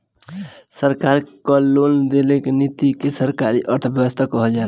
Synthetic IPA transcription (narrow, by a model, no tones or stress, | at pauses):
səɾkaɾkɔlond̪elekenit̪ikesəɾkaɾiʔəɾt̪ʰəbjəwəst̪ʰakɔɦəld͡ʒa